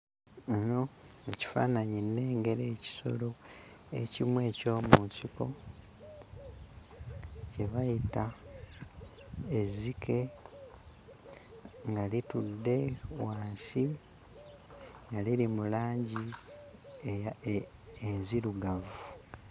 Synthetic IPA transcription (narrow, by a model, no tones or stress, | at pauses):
no̞eci̥fa̰ːnaɲinːe̞ːŋɡe̞ɾe̞ːci̥so̞̰lo̞ḛcimwe̞ːco̞ːmusiko̰ | ceβajita | ezikʰe̞ | ŋɡalitudːe̞waːsi | ŋɡalilimulaːɲɟi | enziɾuɡavu